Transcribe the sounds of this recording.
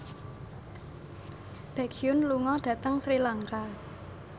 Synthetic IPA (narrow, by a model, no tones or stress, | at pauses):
b̥ɛkʰiʊnluŋɔɖ̥ä̤t̪əŋsɾilaŋka